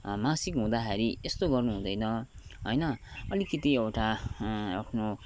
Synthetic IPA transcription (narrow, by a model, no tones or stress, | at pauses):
mãsikɦũd̪aɦeɾiest̪oɡʌrnuɦũd̪ʌjnʌ | ɦʌjnʌʌlikit̪iewʈaapʰno